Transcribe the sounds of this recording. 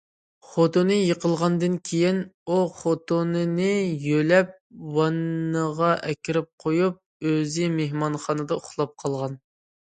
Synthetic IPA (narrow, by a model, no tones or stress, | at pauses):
χot̪onɨjəqəlˠʁɑnd̪ɨnkʲʰejinuχot̪onɨnɨjølɛp̚ | wɑnːəʁɑʔɛkʲiɾɪp̚qʰojup̚ | øzɪmehmɑnχɑːnɨd̪ɑʊχlˠɑp̚qʰɑlˠʁɑn